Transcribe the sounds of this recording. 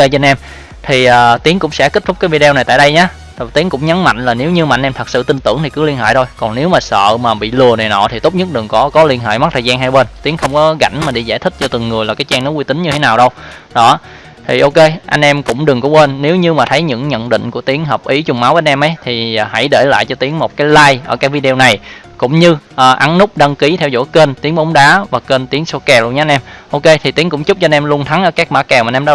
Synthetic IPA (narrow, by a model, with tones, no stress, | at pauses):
e˧t͡ɕe˧nʔɛ˧m | t̪ʰi˨˩ʔaː˨˩t̪i˨˦əŋkʊ̰˧˥ŋ͡msɛ̰˧˥ki˦˥t̚t̪ʰʊ˦˥k͡p̚kːaː˨˦vi˧ɗe˧wna˨˩jt̪a̰ː˧˨ɗə˧jɲaː˨˦˨ | t̪i˨˦əŋkʊ̰˧˥ŋ͡mɲə˨˦nma̰˧˨jŋ̟laː˨˩ne˨˦wɲɨ˧ma̰˧˨jŋ̟ʔɛ˧mt̪ʰə˨˩t̚sɨ̰˧˨t̪i˧nt̪ɨ˧˩əŋt̪ʰi˨˩kɨ˨˦li˧ənhɦḛː˧˨jt̪ʰo˧jkɔ˨˩nne˨˦wmaː˨˩sə̰ː˧˨maː˨˩ɓḭ˧˨lɨ˨˩əna˨˩jnɔ̰˧˨t̪ʰi˨˩t̪o˦˥p̚ɲə˦˥t̚ɗɨ˨˩ŋkɔ˨˦kɔ˨˦li˧ənɦḛː˧˨jma˦˥t̪ʰəː˨˩zaː˧nɦa˧jɓe˧nt̪i˨˦əŋxə˧wŋ͡mkɔ˨˦ɣa̰˧˩jŋ̟maː˨˩ɗi˧˩za̰ː˧˩jt̪ʰï˦˥k̚t͡ɕɔ˧t̪ɨ˨˩ŋːɨ˨˩əjlaː˨˩kaː˨˦jt͡ɕaː˧ŋnɔ˨˦kwi˧t̪ï˨˦ŋ̟ɲɨ˧t̪ʰe˨˦naː˨˩wɗə˧w | ɗɔ˨˦ | t̪ʰi˨˩ʔo˧ke˧ʔa˧jŋ̟ʔɛ˧mkʊ̰˧˥ŋ͡mɗɨ˨˩ŋkʊ˧˥˦kwe˧nːe˨˦wɲɨ˧maː˨˩t̪ʰə˨˦jɲɨ̰˧˥ŋɲə̰˧˨nɗḭ˧˨ŋ̟ku˧˩ət̪i˨˦əŋɦəː˨˩p̚ʔi˨˦t͡ɕʊ˨˩ŋ͡mma˨˦wvəː˨˧˦nʔɛ˧mʔə˨˦jt̪ʰi˨˩˨ha̰˧˩jɗe˧˩la̰ː˧˨jt͡ɕɔ˧t̪i˨˦əŋmo˨˩t̚kaː˨˦jlaː˧jʔəː˧˩kaː˦k̚vi˧ɗe˧o˧na˨˩j | kʊ̰˧˥ŋ͡mɲɨ˧ʔəː˨˩ʔa˨˦nnʊ˦˥k͡p̚ɗə˧ŋki˨˦t̪ʰɛ˧wzo̰˧˥˦ke˧nt̪i˨˦əŋɓɔ˨˦wŋ͡mɗaː˨˦vaː˨˩ke˧nt̪i˨˦əŋso˧kɛ˧˩lu˧nɲaː˧nʔɛ˧mʔo˧ke˧t̪ʰi˨˩t̪i˨˦əŋkʊ̰˧˥ŋ͡mt͡ɕʊ˦˥p̚t͡ɕɔ˧nʔɛ˧mlu˧ənt̪ʰa˨˦ŋʔəː˧˩kaː˦˥k̚ɓa̰ː˧˩kɛ˨˩wma˨nʔɛ˧ɗa˧